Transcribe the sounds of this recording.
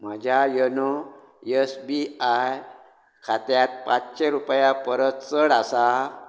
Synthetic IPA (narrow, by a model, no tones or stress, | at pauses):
m̤əd͡ʑʱjajəno | jesbiaj | kʰat̪jat̪̚pat͡sɕeɾupjapəɾət̪t͡səɽasa